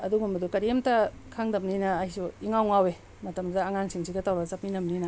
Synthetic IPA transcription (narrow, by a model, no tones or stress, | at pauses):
ɐduɡumbɐdukɐɾemtɐkʰaŋdɐp̚ninɐːhisuiŋawŋawe | mɐtɐmdɐːŋaŋsiŋsiɡɐtawɾazɐp̚ninɐmninɐ